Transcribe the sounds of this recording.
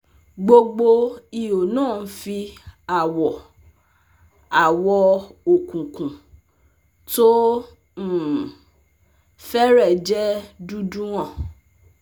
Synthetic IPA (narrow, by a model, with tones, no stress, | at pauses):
ɡ͡bo˧ɡ͡bo˧i˨jo˨nãː˦˨n̩˦fi˧a˨wɔ˨ | a˨wɔ˧o˨kũ˨kũ˨ | to˦˨ | fɛ˦ɾɛ˦˨d͡ʒɛ˦du˦dũ˦w̃ɔ̃˦˨